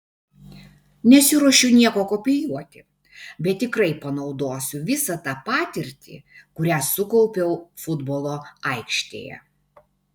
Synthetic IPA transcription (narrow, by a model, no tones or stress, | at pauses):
nʲɛsʲɪɾuɔʃʲɛʊnʲiɛkoːkopʲɪjuɔt̪ʲɪ | bʲɛt̪̚ʲt̪ːʲɪkɾɐɪpɐnɒʊd̪oːsʲʊʋʲɪsɐt̪ɑːpɑːt̪ʲɪɾʲt̪ʲḭːkʊɾʲæːsʊkɔʊpʲɛʊfʊd̪bolˠoːɐɪkʃʲt̪ʲḛːjɛ̰